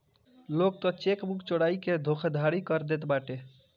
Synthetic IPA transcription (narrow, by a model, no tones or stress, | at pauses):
lok̚t̪ɔt͡ʃekbukt͡ʃoɽaiked̪ʱokʰd̪ʱaɽikəɾd̪et̪baʈe